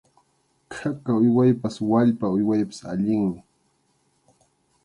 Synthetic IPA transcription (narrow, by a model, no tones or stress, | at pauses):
kʰakaʊjwajpaswaʎpaʊjwajpɪ̥sa̰ʎɪŋmɪ